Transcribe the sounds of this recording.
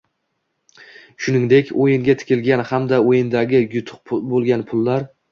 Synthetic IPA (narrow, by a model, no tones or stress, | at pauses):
ʃʊnɪŋd̪e̞kʲʰojɪŋɡʲat̪ʰɪ̥kʲɪlɡʲanhamd̪aojɪnd̪aɡʲɪjʊt̪ʰʊ̥q̚bolˠɡʲanpʰʊlˠːaɾ